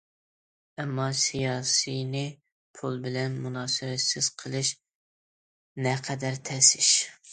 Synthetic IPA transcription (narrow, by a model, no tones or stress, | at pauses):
ɛmːɑsijɑːsijnɪ | pʰulˠbɪlɛnmunɑːsɨwɛsɪz̥qʰəlˠɨʃ | nɛqʰɛd̪æɾt̪ʰɛsɪʃ